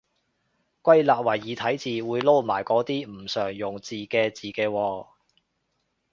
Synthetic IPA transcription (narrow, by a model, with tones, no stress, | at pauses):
kʷwɐ˥jlaː˨t̚wɐ˨˩jːiː˨t̪ʰɐ˨˥jt͡siː˨wuː˨˧jlo˥wmaː˨˩jkɔː˨˥t̪iː˥m̩˨˩sœː˨˩ŋjʊ˨˩ŋt͡siː˨˩kɛː˧t͡siː˨˩kɛː˧wɔː˧